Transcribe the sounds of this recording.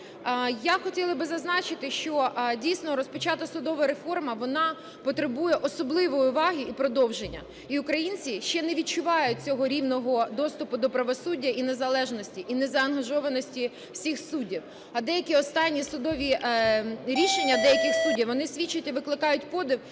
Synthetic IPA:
jaxɔtʲilˠɐbɪzɐznɑt͡ʃɪt̪ɪʃt͡ʃɔdʲijsʲnɔɾɔspɔt͡ʃɑt̪ɐsʊd̪ɔʋɐɾefɔrmɐʋɔnɑ | pɔt̪ɾebujɛʔɔsɔblˠɪʋɔjʊʋɑɦʲiipɾɔd̪ɔwʒenʲːɐ̰ | iʊkɾɐjinʲt͡sʲiʃt͡ʃɛneʋʲit̪̚t͡ʃʊʋɑjʊt̚ʲt͡sʲɔɦɔɾʲiwnɔɦɔd̪ɔst̪ʊpʊd̪ɔpɾɐʋɔsudʲːɐʔinezɐlˠɛʒnɔsʲtʲiʔinɛzɐɐnɦɐʒɔʋɐnɔsʲtʲi | wsʲixsudʲiw | ɐd̪ɛjɐkʲiɔst̪ɑnʲːisʊd̪ɔʋʲi | ɾʲiʃenʲːɐd̪ɛjɐkɪxsudʲiwʋɔnɪsʲʋʲit͡ʃːʊtʲiʋɪklˠɪkɑjʊt̚ʲpɔd̪ɪw

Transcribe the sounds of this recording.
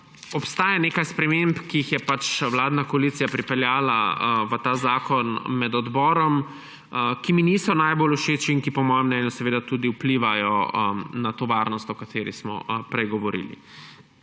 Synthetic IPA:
ɔpst̪aːjaneːkajspɾɛmempkijixjɛpat͡ʃʋlaːd̪nakɔaliːt̪sijapɾipɛljaːla̰ʋət̪aːzaːkɔnmɛd̪ɔd̪bɔːɾɔm | kiminiːsɔnajboluʃeːt͡ʃiːŋkipɔmɔːjɛmnɛnjusɛʋeːd̪at̪uːd̪iupliʋajɔnat̪oːʋaːɾnɔst̪ɔkat̪ʰeːɾḭsmɔ̰pɾɛjɡɔʋɔɾḭːlḭ

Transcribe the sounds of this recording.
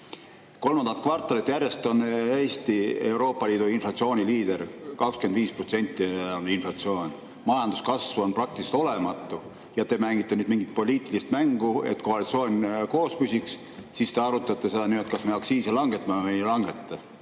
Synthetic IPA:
ko̞lmɑnd̪ɑnt̪̚ˑkvɑrt̪ːˑɑlit̪ːˑjære̞st̪o̞neːst̪ie̞wɾo̞ːpːˑɑliːd̪̥uinflɑt̪sio̞ːnʲiliːd̪̥e̞rkɑkskend̪viːsprot̪se̞nʲt̪ːˑioninflɑt̪sio̞ːnʲ | mɑjɑnd̪uskɑsvuo̞nprɑk̚t̪iliselt̪o̞le̞mɑt̪ːˑu | jɑt̪e̞mæŋɡ̥it̪ːenyːd̪miŋɡ̥it̪̚po̞liːt̪ˑilist̪mæŋɡ̥ue̞̰t̪ːˑkoɑlit̪sio̞ːnʲko̞ːspysʲiks | sist̪e̞ɑɾut̪ːˑɑt̪ːˑese̞d̪̥ɑnyːet̪kɑsmejɑksiːselɑŋɡet̪ːɑmɑmejlɑŋɡe̞t̪ˑːɑ

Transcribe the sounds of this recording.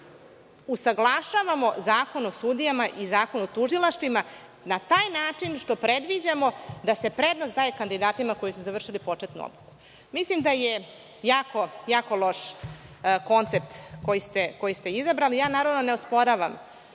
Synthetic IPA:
usaɡlˠaʃaʋamo̞zaːko̞nuosud̪ijamaʔizaːkonuot̪uʒilˠaʃt̪ʋima | nat̪aːjnaːt͡ʂinʂt̪o̞pɾe̞d̪ʋid͡ʑamo̞d̪ase̞pɾed̪nosd̪aːjekand̪id̪aːt̪imako̞jisuzaʋr̩ʂilipo̞t͡ʂet̪nṵo̰d̪luku̥ | mislimd̪aje | jaːko̞jaːko̞lˠo̞ʂ | ko̞nt̪sep̚t̪ko̞jist̪e̞ko̞jist̪e̞izabɾalijaːnaːɾavno̞neospo̞ɾaʋam

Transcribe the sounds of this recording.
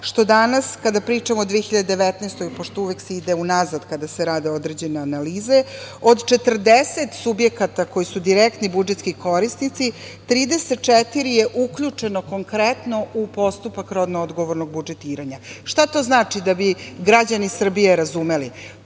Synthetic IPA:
ʃt̪o̞d̪anaskad̪apɾiːt͡ʂamod̪ʋijexiʎad̪ed̪eʋet̪nest̪oipo̞ʂt̪ouʋekseid̪e̞unazad̪kad̪aseɾaːd̪eo̞d̪ɾe̞d͡ʑe̞neanaliːze̞o̞d̪t͡ʃe̞t̪r̩d̪eset̪subjekat̪ako̞jisud̪iɾekt̪nibud͡ʒet̪skiko̞ɾisnit̪si | t̪ɾiːd̪eset̪̚t͡ʃet̪iɾije̞ʔukʎut͡ʂe̞noko̞ŋkɾet̪no̞ʔupo̞st̪upakɾo̞d̪nood̪ɡo̞ʋoɾno̞ɡ̚bud͡ʒet̪iːɾaɲaʃt̪at̪o̞ːznaːt͡ʂid̪abiɡɾad͡ʑanisr̩bijeɾazume̞li

